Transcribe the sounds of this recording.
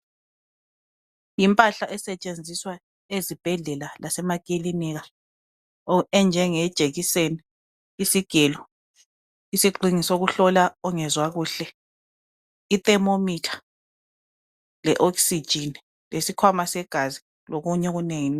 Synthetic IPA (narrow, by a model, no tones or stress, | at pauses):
jimpʼaɬaʔɛsɛt͡ʃʼend͡zʱiswa | ezib̥ʱɛɮɛlalʔasɛmakʼiliniɣa | oɛnd͡ʒʱɛŋɛd̥ʒ̥ʱeɣiseniː | siɡ̥ʱɛlɔ | isiǃʱiŋisoɣuɬɔlaɔŋɛzwaɣuːɬɛ | itɛmomitʰḁ | lɛʔɔksid̥ʒ̥ʱin | lesikʰwamasɛɡ̥ʱazi | loɣuɲɛɣuneŋini